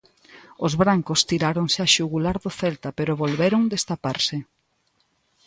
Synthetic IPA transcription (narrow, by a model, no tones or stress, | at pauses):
ʊzβɾaŋkʊst̪iɾaɾoŋsɪaʃuɣulaɾðʊθɛlt̪apeɾʊβolβeɾoŋd̪est̪apaɾsɪ